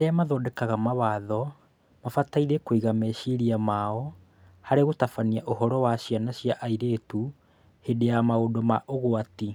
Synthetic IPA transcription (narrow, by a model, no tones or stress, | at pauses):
aeamaðɔːdɛkaɣamaβaðɔ | mafataiɾekoiɣamɛʃiɾiamaɔ | haɾeɣotafaniaʔoɦɔɾɔwaɕianaɕjaʔaiɾetu | hedejamaodɔmaʔoɣoati